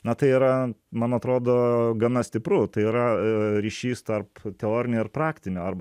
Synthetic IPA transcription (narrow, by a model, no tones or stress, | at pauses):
nɐt̪ɐɪiːɾɐmɐnɐt̪ɾoːd̪oːɡɐnɐsʲt̪ʲɪpɾʊt̪ɐɪiːɾɐɾʲiːʃʲiːst̪ɐrpt̪ʲɛoːɾʲɪnʲʊɪrpɾɑːkt̪ʲɪnʲʊɐrbɐ